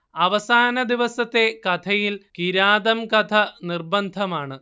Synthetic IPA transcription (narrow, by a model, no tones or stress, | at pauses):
ɐʋɐsaːnɐd̪iʋɐsɐt̪ːe̞kɐt̪ʰɐjilkiɾaːd̪ɐmkɐt̪ʰɐnirbɐnd̪ʱɐmaːɳɨ